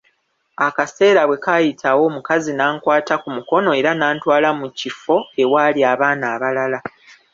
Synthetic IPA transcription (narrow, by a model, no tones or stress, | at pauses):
akase̞ːɾaβwe̞kajitʰawo̞ːmukazinaːŋkwaːtakumuko̞no̞e̞ːɾanaːntwaːlamucifo̞e̞waːliaːβaːnaːβalala